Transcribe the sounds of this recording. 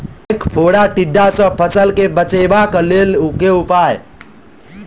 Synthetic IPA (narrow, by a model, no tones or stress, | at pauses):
kpʰoɽaʈiɖːasə̃pʰəsəlkebət͡ʃebakəleːlukeʊpaːj